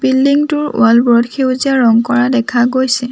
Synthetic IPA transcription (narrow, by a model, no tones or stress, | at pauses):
pilːiŋtʊɹʊ̰albɔɹɔdkʰewziaɹɔŋkɔɹadɛkʰaɡojsɛ